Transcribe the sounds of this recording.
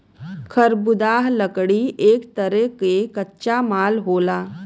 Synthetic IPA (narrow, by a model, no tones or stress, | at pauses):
kʰəɾbʊd̪aːɦləkɽiʔeːkt̪əɾekekɐtːʃamaːlɦoːlaː